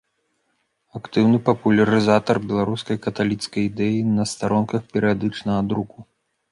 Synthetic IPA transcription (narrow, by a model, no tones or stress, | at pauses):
akt̪ɨwnɨpɐpulʲɐɾɨzat̪ɐrbʲɛlˠaɾuskɐjkɐt̪alʲit̪skɐjd̪ɛjinɐst̪aɾɔnkɐxpʲɛɾɨjad̪ɨt͡ʂnɐɣɐd̪ɾuku